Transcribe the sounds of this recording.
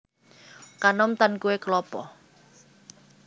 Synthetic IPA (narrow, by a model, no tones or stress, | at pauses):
kanɔmt̪ankuwekəlɔpɔ